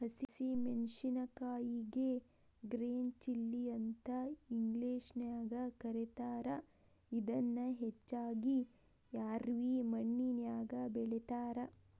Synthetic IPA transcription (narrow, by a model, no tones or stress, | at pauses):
hɐsisimenʂinɐkaːjiɡe | ɡɾeːnt͡ʃilːiɐnt̪ɐiŋɡleːʂnjaːɡɐkɐɾet̪aːɾɐ | id̪ɐnːɐɦet͡ʃːaːɡi | jaːɾʋimɐɳːinjaːɡɐbɛɭet̪aːɾɐ